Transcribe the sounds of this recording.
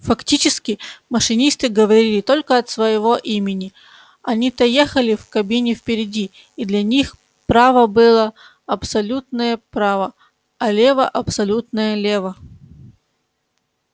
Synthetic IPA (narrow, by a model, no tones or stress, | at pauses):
fɐktʲit͡ɕɪskʲɪməʂɨnʲist̪ɨɡəvɐɾʲilʲɪt̪o̞lʲkəɐt̪svəjɪvoʔimʲɪnʲɪ | ɐnʲit̪ɐjexəlʲɪfkɐbʲinʲɪfpʲɪɾʲɪdʲiː | d̪lʲɐnʲix | pɾavəbɨlˠə | ɐpsɐlʲut̪̚nəjəpɾavə | ɐlʲe̞vəʔɐpsɐlʲut̪nəjəlʲevə